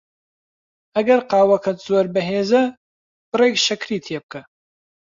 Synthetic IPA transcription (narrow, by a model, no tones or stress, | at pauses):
ɐɡɐɾqɑːwɐkʰɐt̪zoːɾbɐɦeːzɐ | b̥ɨreːkʃɐkɾiːt̪ʰeːb̚kʰɐ